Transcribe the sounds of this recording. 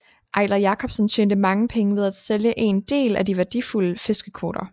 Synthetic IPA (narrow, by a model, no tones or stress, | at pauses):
ʔɑ̈ɪlɐjɑ̈kʰɒ̽b̥sənt͡ɕʰeːnd̥əmɑ̈ŋəpʰeŋəʋe̝ð̞ˠæd̥seljəʔe̝ːnd̥e̝̰ːlæd̥iʋæɐd̥ifuləfe̝sɡ̥əkʰʋo̝ːɾ̥ɐ